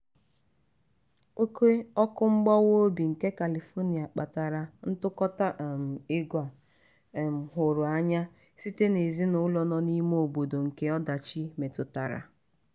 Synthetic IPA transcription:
o˦ke˦ɔ˦kʊ˦ŋ͡m̩˦ɡ͡bɔ˦wo˦bi˨ŋ̩˨ke˦ka˨li˨fo˦ni˨a˨k͡pa˨ta˨ɾa˨n̩˦tʊ˦kɔ˦ta˦m̩˨ɪ˦ɡʷa˨ | m̩˨ɦʊ˨ɾʊ˨a˦ɲa˦ | si˦te˦ne˨zi˦nʊ˨˦lɔ˨nɔ˦ni˦m˦o˨bo˨do˨ŋ̩˨ke˦ɔ˦da˨t͡ʃi˦me˨tʊ˨ta˨ɾa̰˨

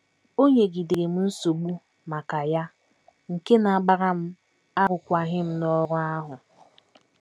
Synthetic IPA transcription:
o˦ɲe˨ɡi˨de˨ɾe˨m̩˦n̩˦so˨ɡ͡bu˦ | ma˨ka˨ja˦ | ŋ̩˨ke˦na˨ɡ͡ba˦ɾa˦m̩˦ | a˦ɾʊ˨kʷa˨ɦɪ˦m̩˦nɔ˦ɾʊ˦a˦ɦʊ˨

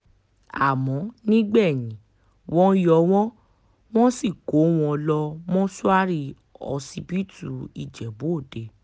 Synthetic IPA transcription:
a̰˨mɔ̃˨˦nĩ˦ɡ͡bɛ˦˨jĩ˨˦ | wɔ̃˦jɔ˧w̃ɔ̃˦ | w̃ɔ̃˦si˦˨ɡo˨˦w̃ɔ̃˧lɔ˧mɔ̃˦su˦a˦ɾi˧ | ɔ̰˧si˧bi˦tu˦˨ḭ˨d͡ʒɛ˨bo˨˦o˦˨de˨

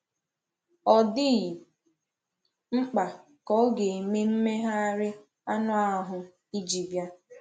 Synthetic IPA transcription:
ɔ˨dɪ˦ɣ | ŋ͡m̩˦k͡pa˨ | kɔ˦ɡe˨me˦m̩˦me˦ɦa˦ɾɪ˦ | a˦nʊ˦a˨˦ɦʊ˨ | i˦d͡ʒi˨bja˦

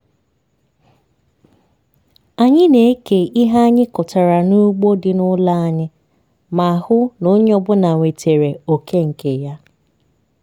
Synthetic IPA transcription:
a˨ɲɪ˦ne˨e˦ke˨ʔi˦ɦa˦ɲɪ˦kʊ˨ta˨ɾa˨nu˦ɡ͡bo˦dɪ˨nʊ˦la˦a˨ɲɪ˦ | ma˨a˨hʊ˦nʊ˦ɲɔ˦bʊ˦na˨ŋʷe˨tʰe˨ɾe˨o˨kʰe˦ŋ̩˨ke˨ja˦

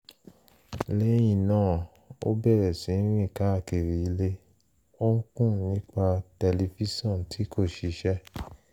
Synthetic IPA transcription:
le˦j̃ĩ˨nãː˦˨ | o̰˦bɛ˦˨ɾɛ˨sĩ˨˦ɾĩ˦˨ka˨˦˨ke˨ɾi˨i˧˦le˦ | o˦ŋ̩˦kũ˦˨nĩ˦k͡pa˧tɛ˧le˧fi˦sɔ̃˦˨n˨tʰi˨˦kʰo˦˨ʃi˧˦ʃɛ˦

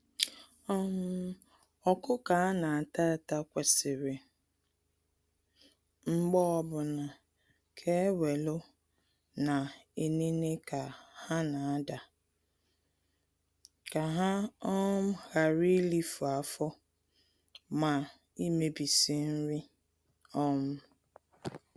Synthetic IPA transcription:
ɔ˦m˦ | ɔ˨kʊ˦ka˨a˦na˨a˨ta˦˨ta˦kʷe˨sɪ˨ɾɪ˨ | ŋ͡m̩˦ɡ͡bɔ˦ɔ˦bʊ˨na˨ | kʰe˦we˨lo˦ | na˨e˨ne˦ne˦ka˨ha˦na˨a˦da˨ | ka˨ɦa˦ɔ˦m̩˦ha˨ɾi˦li˦fu˨a˨fɔ˦ | ma˨ | i˦me˨bi˨si˨n̩˦ɾɪ˦ | ɔ˦mʊ˦

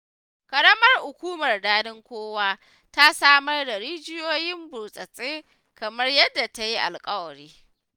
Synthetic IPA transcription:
kɐ˨ɽɐ˦mɐ˦rhʊ˨kʷuː˦mɐ˨rdaː˦dɪ˦ŋkʷoː˦waː˦ | ta˦saː˦mɐ˦rda˨ɽiː˦d͡ʒɪ˦joː˦jɪ˦mbʊː˨sʼɐ˨sʼeː˦ | kɐ˨mɐ˦rjɐ˦dːa˨ta˦ji˦ʔa̰˨lkʼɐ˦wɐ˨ɽiː˦

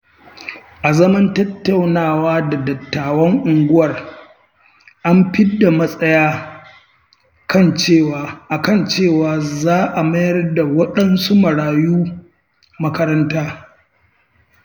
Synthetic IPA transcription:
ʔa˨zɐ˦mɐ˦ntɐ˦tːɐ˦˨wnaː˦˨waː˦da˨dɐ˨tːaː˨wɐ˦ŋʔʊ˨ŋɡʷʊ˦wɐ˨r | ʔa˦mɸɪ˦dːa˨mɐ˦sʼɐ˦jaː˦ | kɐ˦˨nt͡ʃeː˦˨waː˨ʔa˨kɐ˦˨nt͡ʃeː˦˨waː˨zaː˦ʔa˨mɐ˦jɐ˦rda˨wɐ˦ɗɐ˦nsu˦mɐ˨ɽaː˨juː˦ | mɐ˦kɐ˦ɾɐ˦ntaː˦

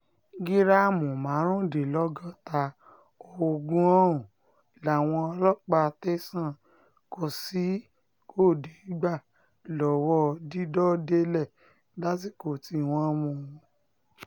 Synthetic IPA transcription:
ɡi˦ɾa˦˨mũ˨mã˨˦ɾ̃ũ˦˨de˨lɔ˦ɡɔ˦ta˧ | o˧o˧ɡũ˦ɔ̃˦ũ˨ | la˨w̃ɔ̃˧ɔ˧lɔ˦k͡pa˧te˦sã˦˨ | ko˧˨si˨˦ | ko˦˨de˨i˦ɡ͡ba˦˨ | lɔ˨wɔ˦di˦dɔ˦de˦lɛ˦˨ | la˦t̬i˦ko˨ti˧˦˨w̃ɔ̃˦mũ˧˨˧

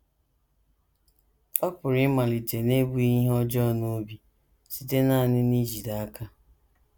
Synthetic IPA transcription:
ɔ˦pʊ˨ɾɪ˦ma˨lɪ˨te˨ne˦bu˦i˦ɦɔ˦d͡ʒɔ˦˨no˦bi˨ | si˨te˦na˦˨nɪ˦ni˦d͡ʒi˨da˨a˦ka˦

